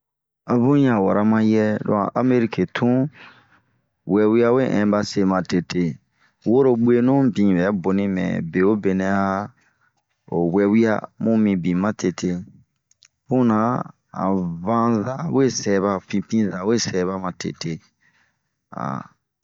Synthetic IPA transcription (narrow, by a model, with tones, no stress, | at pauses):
a˦bũ˦jã˨wa̰˨ɾa˦mã˦jɛ˦dɔ̰˨˦ã̰˨ʔa˦me˦ɾi˦ke˨tʰũ˦ | wɛ˧wi˦a˦we˦˨ʔɛ̃˨ba˧se˧mã˨te˨te˨ | wo˦ɾo˦ɡ͡be˦nũ˦bĩ˨bɛ˨˦bo˨nĩ˦mɛ̰̃˨be˨o˦be˨nɛ̃˧˦a˦ | o̰˨wɛ˧wi˦a̰˦mũ˦mĩ˨bĩ˨mã˦tʰe˧tʰe˧ | fũ˦nã˨˦ | ã̰˨vã˦za˦we˦˨sɛ˨βa˧fĩ˧pĩ˦za˨we˦sɛ˨˦βa˦mã˨tḛ˨tʰe˨ | a̰˨